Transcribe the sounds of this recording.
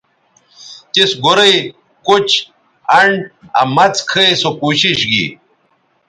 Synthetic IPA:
t̪isɡoɾɐj | kot͡ɕ | ɐɳɖɐ̰mɐt͡skʰɐjsokuɕiɕɡḭ

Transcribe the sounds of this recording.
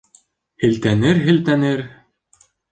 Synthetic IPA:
hɘ̆lt̪ænɘɾɦɘ̆lt̪ænɘɾ

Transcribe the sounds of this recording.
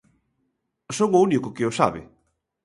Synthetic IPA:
soŋounikokeowsa̰βɪ̰

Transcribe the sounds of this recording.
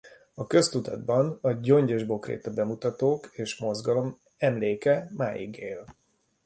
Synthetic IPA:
ɒkø̞st̪ut̪ɒ̰d̪̚bɒnɒɟo̞ɲɟɛʒbo̞krɾḛːt̪ɒbɛmut̪ɒt̪oːkeːʃmo̞zɡɒlo̞m | ɛmleːkɛma̰ːjḭɡḛːl

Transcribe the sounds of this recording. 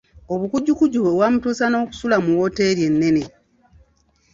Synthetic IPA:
o̞βukuɟːukuɟuβewaːmutuːsano̞ːku̥sulamuwo̞te̞ɾje̞nːe̞ne̞

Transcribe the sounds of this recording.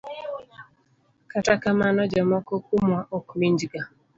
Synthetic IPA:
katakamanɔd͡ʒamɔkɔkumwaʔokmiɲd͡ʒɡa

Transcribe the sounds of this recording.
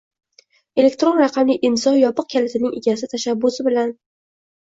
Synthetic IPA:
e̞le̞k̚ʲt̪ɾonɾɑqʰɑmlɪʔɪnsɒnjɒpɨq̚kʲʰalɪt̪ʰɪnɪŋeɡʲasɪt̪ʰaʃabːʊsɪbɪlan

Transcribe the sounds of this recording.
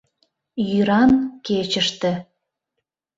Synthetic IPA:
jyɾɑnket͡ɕəʃt̪ĕ

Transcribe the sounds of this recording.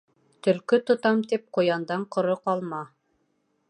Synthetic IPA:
t̪ɵ̆lkɵt̪ŏt̪ɑmt̪ip̚qŏjɑnd̪ɑɴqŏɾoqɑlˠmɑ

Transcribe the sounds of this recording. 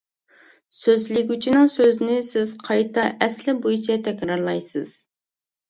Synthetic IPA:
søzlɪɡʲyt͡ʃʰinɪŋsøznɪsɪz̥qʰɑjt̪ɑʔɛslɪbujt͡ʃʰɛt̪ʰɛkʲɾɑɾlˠɑjsɨ̰z̥

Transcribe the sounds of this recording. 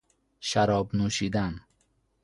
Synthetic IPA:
ʃaɾɒːbnuʃid̪an

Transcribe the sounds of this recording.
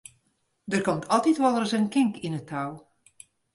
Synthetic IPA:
dərkɔmtʰɔlˠtitʋɔlˠrəsənkɪŋkinətʰːaw

